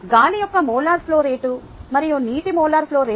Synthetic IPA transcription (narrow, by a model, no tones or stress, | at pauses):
ɡaːlijɔkːɐmɔːlaːɾploːɾeːʈu | mɐɾioːniːʈimɔːlaːɾpʰloːɾeː